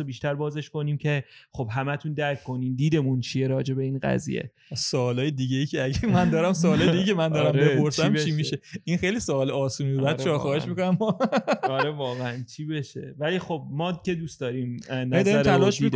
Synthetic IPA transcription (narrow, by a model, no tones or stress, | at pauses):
obiːʃt̪æɾbɒːze̞ʃko̞niːmcʰe̞xo̞b̥ɦæmæt̪ʰund̪æɾkʰkːo̞niːmd̪iːd̪e̞munt͡ʃʰijeɾɒːd͡ʒe̞beiːnɢæ̰zḭjḛ | soːlɒːjed̪iɟejicʰeæɟemænd̪ɒːɾæmsoːlɒːjed̪iɡeicʰemænd̪ɒːɾæmbepoɾsæmʰimiʃeʔinxejlisoɒːleɒːsuːnibebæːd̪t͡ʃʰɒːxɒːheʃmikonæmɒɒɾevɒːɣeænt͡ʃʰibeʃe̞̰væliːxob̚mɒːcʲʰe̞d̪uːsd̪ɒːɾiːmnæd̪ɾiæɾʰælɒːʃiid̪